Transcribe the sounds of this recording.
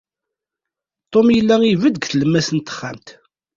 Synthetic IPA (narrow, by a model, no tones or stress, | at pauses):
t̪ˤːomjəlːæivəd̪ɡθləmːæsənt̪ːə̥χːa̰mt̪